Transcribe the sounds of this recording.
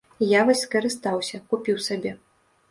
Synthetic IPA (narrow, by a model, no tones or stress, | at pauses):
javɔsʲskɐɾɨst̪awsʲɐkupʲiwsabʲɛ